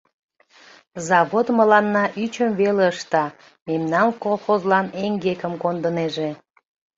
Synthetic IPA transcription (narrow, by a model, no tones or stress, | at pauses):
zɑβod̪məlɑnːɑʔyt͡ɕəmveleəʃt̪ɑ | memnɑnkolˠxozlɑneŋɡekəmkond̪əneʒe